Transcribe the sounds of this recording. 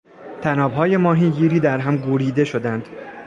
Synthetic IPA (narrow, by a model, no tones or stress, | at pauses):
t̪ʰænɒːbɦɒːje̞mɒːɦiɟiːɾiːd̪æɾɦæmɡuɾiːd̪e̞ʃo̞d̪ænd̪̥